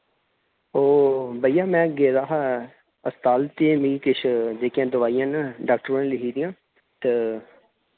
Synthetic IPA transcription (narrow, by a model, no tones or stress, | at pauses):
oːbəijãːmɛ̃ːɡeːɾaːɦa | əst̪aːlt̪eːmĩːkɪʃʰd͡ʒeːkjãːd̪ʊʋaːijãːnɖaːk̚ʈəɾãnlɪɦiːd̪ɪjãː | t̪e